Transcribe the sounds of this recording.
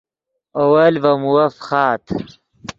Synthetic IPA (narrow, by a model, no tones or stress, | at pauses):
owɐlvɐmuwɐfχɑːt̪ʰ